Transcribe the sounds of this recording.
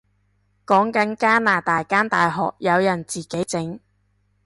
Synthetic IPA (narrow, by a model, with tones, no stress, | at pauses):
kɔː˨˥ŋkɐ˨˥nkaː˥naː˨˩t̪aː˨jkaː˥nt̪aː˨jɦɔ̰ː˨k̚jɐ˨˧wjɐ˨˩nt͡siː˨ke˨˥jt͡sɪ˨˥ŋ